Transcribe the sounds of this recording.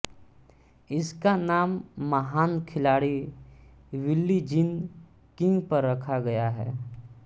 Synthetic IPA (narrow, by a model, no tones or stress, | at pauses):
ɪskanaːmːɐɦaːnkʰɪlaːɽi | wɪlːid͡ʒɪn | kɪ̃ŋɡpɐɾːɐkʰaɡɐjaɦɛ̰ː